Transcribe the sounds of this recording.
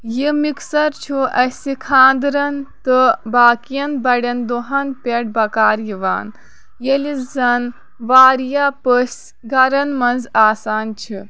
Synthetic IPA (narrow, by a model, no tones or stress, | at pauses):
jimiksɐɾt͡ʃʰuʔɐsikʰãːnd̪ɾɐnt̪ɨbaːkijɐnbɐɽʲɐnd̪oɦɐnpʲeʈ̚bɐkaːɾjiʋa̰ːn | jelizɐn | ʋaːɾijapəs | ɡɐɾɐnmɐnzaːsaːnt͡ʃʰi